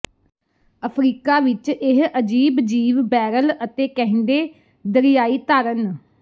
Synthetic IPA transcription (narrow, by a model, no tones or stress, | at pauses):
əpʰɾiːkaːʋɪt͡ʃɪɦəd͡ʒiːbd͡ʒiːʋbɛːɾələt̪eːkɛ̃ɦnd̪eː | d̪əɾɪjaːiːt̪aːɾən